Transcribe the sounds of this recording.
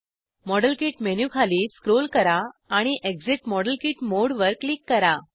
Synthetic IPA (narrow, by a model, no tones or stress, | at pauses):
mɔɽəlkiːʈmenjukʰaliːskɾolkəɾaːɽ̃iʔekd͡ziʈmɔɽəlkiːʈmoɽʋəɾklikːəɾa